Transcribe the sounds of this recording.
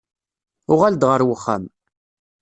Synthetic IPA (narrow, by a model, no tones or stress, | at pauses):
ʊʁald̪ʁəɾwəχːa̰m